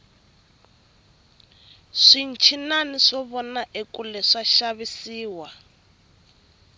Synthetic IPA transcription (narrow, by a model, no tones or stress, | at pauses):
ʂin̩t͡ʃʰinaniʂɔβɔnaʔekulɛʂaʃaβisiːwa